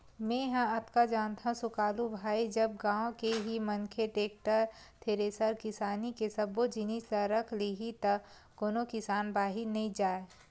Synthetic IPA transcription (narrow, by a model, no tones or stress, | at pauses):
mẽːɦɐ̃ɐt̪kad͡ʒaːnt̪ʰãsʊkaːlubʱaːid͡ʒɐb̚ɡãːõkeɦimɐ̃ŋkʰeʈeːk̚ʈəɾ | t̪ʰeːɾeːsəɾkɪsaːnikesɐbod͡ʒinisɐɾɐkʰliɦit̪ɐ | koːnokɪsaːnbaːɦinɐĩd͡ʒaːe